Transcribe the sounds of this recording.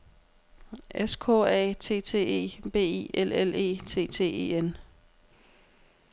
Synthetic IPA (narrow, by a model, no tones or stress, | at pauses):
eskʰɔ̰ɛ̰ːt͡sʰe̝̰ːt͡sʰe̝̰ːe̝̰ːb̥e̝̰ːḭelele̝̰ːt͡sʰe̝̰ːt͡sʰe̝̰ːe̝̰ːen